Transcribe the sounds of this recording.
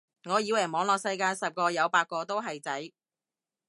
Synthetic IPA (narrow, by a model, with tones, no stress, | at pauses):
ŋɔː˨˧jiː˨˧˥wɐ˨˩mɔː˨˥ŋlɔː˨k̚sɐ˧jkaː˧jsɐ˨p̚kɔː˧jɐ˨˧wpaː˧t̚kɔː˧t̪o˥wɦɐ˨jt͡sɐ˨˥j